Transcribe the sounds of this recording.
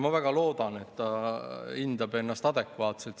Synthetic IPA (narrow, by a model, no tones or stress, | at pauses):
mɑvæɡ̥ɑlo̞ːd̪̥ɑne̞t̪ːɑind̪̥ɑbe̞nːɑst̪ɑd̪̥e̞kvɑːt̪selt̪